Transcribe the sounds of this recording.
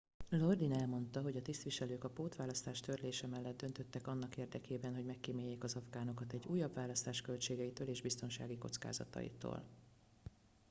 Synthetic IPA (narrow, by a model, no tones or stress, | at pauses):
lo̞rd̪inɛlmo̞nt̪ɒɦo̞ɟɒt̪ist̪ʋiʃɛløːkɒpoːt̪ʋaːlɒst̪aːʃt̪ørleːʃɛmɛlːɛd̪̚d̪ø̞nt̪ø̞t̪ːɛkɒnːɒkeːrd̪ɛkeːbɛnɦo̞ɟmɛkːimeːjːeːkɒzɒfɡaːno̞kɒt̪ɛɟːuːjːɒbvaːlːɒst̪aːʃkølt͡ʃeːɡɛit̪øːleːʒbist̪o̞nʃa̰ːɡiko̞̰t̪ska̰ːzɒ̰t̪ɒ̰jḭt̪o̰ːl